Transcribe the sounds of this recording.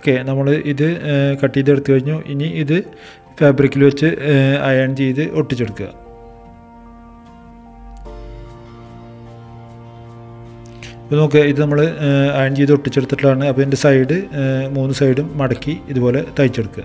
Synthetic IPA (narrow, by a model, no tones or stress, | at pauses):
okːe̞nɐmːɐɭɨʔiðɨkɐʈːijt̪eɽut̪ːɨkɐɻiɲːuʔiniiðɨ | feːbrikʲːilʋet͡ɕːɨɐjaːɳt͡ɕejðɨʔo̞ʈːit͡ɕːeɽukːuɣɐ̰ | ipono̞ːkːɨiðɨnɐmːɐɭɨɐjaːɳt͡ɕejiðo̞ʈːit͡ɕːeɽut̪ːiʈːɐɭaːɳɨɐpːoːendesɐjɽɨmuːnːɨsɐjɽumːɐɽɐkːiiðubo̞ːle̞t̪ɐjit͡ɕːeɽukːuɐ